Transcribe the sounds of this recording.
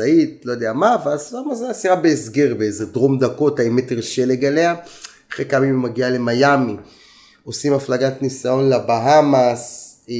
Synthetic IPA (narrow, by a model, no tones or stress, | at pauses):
aitlo̞jod̪eamaveasvamazasiʁabeːsɡe̞ʁbeezed̪ʁomd̪ako̞taimeteʁʃele̞ɡalea | aχekamimmaɡiale̞majami | o̞simaflaɡat̪nisajo̞nlabaɦamas